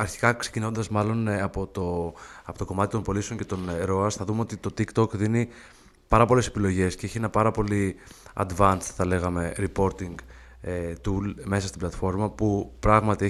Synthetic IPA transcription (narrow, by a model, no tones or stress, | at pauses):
ɐɾçi̥kɐkse̞cino̞nd̪ɐzmɐlo̞nɐpot̪oɐpot̪o̞ko̞mɐt̪it̪o̞mpo̞lisoɲce̞t̪o̞nɾo̞ɐsθɐðumeo̞t̪it̪o̞t̪ikt̪o̞kðini | pɐɾɐpo̞le̞se̞pilo̞ʝe̞sceeçie̞nɐpɐɾɐpo̞li | ɐ̰d̪vɐnsθɐle̞ɣɐme̞ɾipo̞ɾt̪iŋɡ | et̪ulme̞sɐst̪iblɐt̪fo̞ɾmɐpupɾɐɣmɐt̪ie